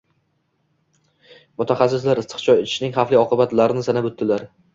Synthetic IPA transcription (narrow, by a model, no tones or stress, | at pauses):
mʊt̪ʰaχas̬ːɪs̬laɾɪst̪ʰɨ̥qt͡ʃʰɒjet̪ʰɪ̥ʃnɪŋχafliɒqɨbat̪laɾɪnɪsanabʊt̪ːɪlaɾ